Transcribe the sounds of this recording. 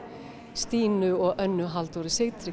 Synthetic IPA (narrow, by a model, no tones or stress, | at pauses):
st̪iːnʏɔɣʔœnːʏɦalt̪ɔɾɪsɪɣt̪ɾɪ